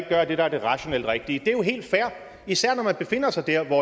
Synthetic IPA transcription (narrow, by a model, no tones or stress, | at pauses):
ɡ̥̚ɡ̥ɶːɐd̥e̝ɾ̥ɑæɐd̥e̝ʁɑ̈ɕo̝nel̰d̥ʁeɡ̥̚d̥iəd̥e̝æjo̝ɦe̝̰ːld̥fæɐ̰ | isæɐ̰nɒmænb̥e̝fe̝n̰ɐsɑ̈ɪd̥æɐ̰ʋɒ